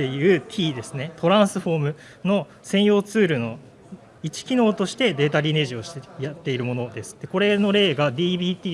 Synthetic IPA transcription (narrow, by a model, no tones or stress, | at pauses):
e̞jɯ̟ːt̪ʲʰiːd̪e̞sɨne̞t̪o̞ɾãɰ̃sɨɸo̞ːmɯ̟ | no̞ | sẽ̞ɰ̃jo̞ːt͡sɨːɾɯ̟no̞ | it͡ɕi̥kʲino̞ːt̪o̞ɕi̥t̪e̞d̪e̞ːt̪aɾʲine̞ʑio̞ɕi̥t̪ejat̪ːe̞iɾɯ̟mo̞no̞d̪e̞sɨ̥t̪ːe̞ko̞ɾe̞no̞ɾe̞ːɡad̪ʲiːbʲiːt̪ʲiː